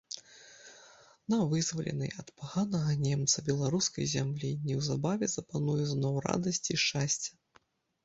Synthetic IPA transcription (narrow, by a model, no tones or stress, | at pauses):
nɐvɨzvɐlʲɛ̰nɐjɐt̪paɣanɐɣɐnʲemt̪sɐbʲɛlˠaɾuskɐ̰jzʲamlʲinʲːɛwzabavʲɛzɐpanujɛznɔwɾa̰d̪ɐsʲt͡sʲiʂt͡ʂasʲt͡sʲɐ̥